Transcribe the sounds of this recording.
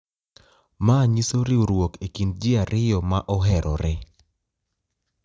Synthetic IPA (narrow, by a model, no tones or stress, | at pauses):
maɲisoɾɪoɾwokikind͡ʒɪaɾɪjɔmaʔɔɦɛɾʔɔɾɛ